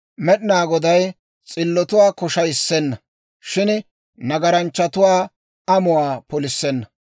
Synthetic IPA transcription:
mɛɗɪnaːɡɔd̪ɐj | t͡sʼɪlːɔt̪ʊwaːkɔʃɐjɪsːɛnːɐ | ʃɪn | nɐɡɐɾɐnt͡ʃːɐt̪ʊwaː | ɐmʊwaːpɔlɪsːɛnːɐ

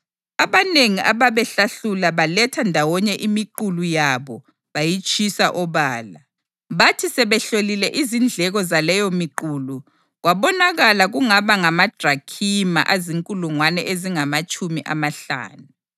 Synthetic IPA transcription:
aβaneŋiʔaβaβɛɬaɬulaβalɛtʰandʱawɔɲɛʔimiǃulujaβɔ | βajit͡ʃʼisaʔɔβaːla | βatʰisɛβɛɬolilɛʔizind͡ɮʱɛɣɔzalɛjɔmiǃuːlu | ɣwaβɔnaɣalaɣuŋaβaŋamad̥ʱrakʰima̰ʔaziŋkʼuluŋwanɛʔeziŋamat͡ʃʼumiʔa̰maɬa̰ːnu

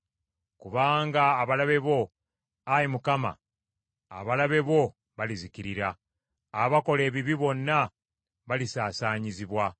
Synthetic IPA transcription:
kuβaːŋɡaːβalaβe̞βo̞ | ajimukama̰ː | βalaβe̞βo̞ | βaliziciɾiɾaː | βako̞le̞ːβiβiβo̞nːa | βalisaːsaːɲiziβwa

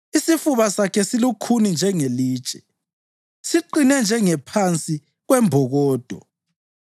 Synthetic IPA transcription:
isifuβasakʰɛsilukʰunind͡ʒʱɛŋeliːt͡ʃʼɛ̥ | siǃinɛnd͡ʒʱɛŋɛpʰant͡sʼi | ɣwɛmbʱɔɣɔːd̥ʱɔ̰

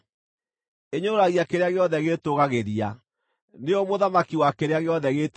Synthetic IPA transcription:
eɲoɾaɣiakeɾeaɣeɔðɛɣetoɣaɣeɾia | neɔmoðamakiwakeɾeaɣeɔðɛɣet

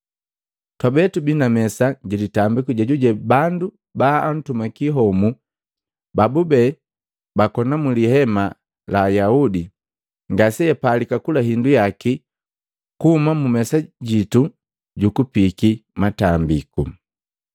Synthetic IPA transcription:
twabɛtubinamɛsaɟilitambikuɟaɟuɟɛbandu | baːn̩tumakiɦɔmu | babubɛ | bakɔnamulihɛma | laːjaudi | ŋɡasɛjɛpalikakulaɦindujaki | kuhumamumɛsaɟitu | ɟukupikimatambiku

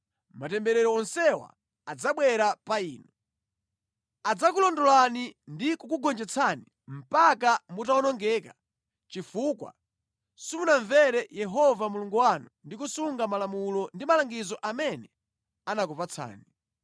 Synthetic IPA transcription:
matɛmbɛɾɛɾɔɔnsɛwa̰ | ad͡zaɓwɛɾapaiːnu | ad͡zakulɔndɔlanindikukuɡɔnd͡ʒɛt͡sʰani | m̩pakamutaɔnɔŋɡɛːka | t͡ʃifuːkwa̰ | sumunaɱvɛɾɛjɛɦɔvamuluŋɡuwanundikusuŋɡamalamulɔndimalaŋɡizɔʔamɛnɛ | anak̬upat͡sʰa̰ːni

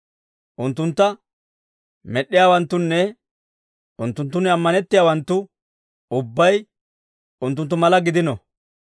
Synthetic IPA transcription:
ʔʊnt̪ːʊnt̪ːɐ | mɛɗːɪjaːwɐnt̪ːʊnːɛ | ʔʊnt̪ːʊnt̪ːʊnːɛɐmːɐnɛt̪ːɪjaːwɐnt̪ːʊ | ʊbːɐj | ʊnt̪ːʊnt̪ːʊmɐlɐɡɪd̪ɪnɔ

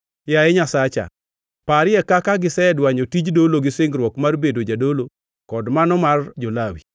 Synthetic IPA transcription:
jajɛɲasat͡ʃa̰ | paɾɪjɛkakaɡɪsɛɛdwaɲotid͡ʒdoloɡɪsɪŋɡɾwɔkmarbedod͡ʒadolo | kɔdmanɔmard͡ʒolawḭ

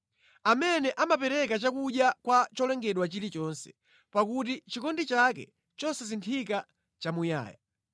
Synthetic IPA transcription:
amɛnɛʔamapɛɾɛkat͡ʃakuɗjakwat͡ʃɔlɛŋɡɛɗwat͡ʃiɾit͡ʃɔnsɛ̥ | pakut̬it͡ʃikɔndit͡ʃakɛ̰ | t͡ʃɔsɛsintʰika | t͡ʃamuja̰ːja

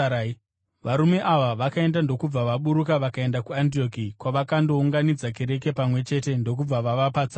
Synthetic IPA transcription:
ʋaɾume̞ʔaʋaʋakae̞ndando̞kub͡vaʋaɓuɾukaʋakae̞ndakuantio̞kikwaʋakando̞uŋɡanid͡zake̞ɾe̞k̬e̞pamwe̞t͡ʃe̞te̞ndo̞k̬ub͡vaʋaʋapat͡sa

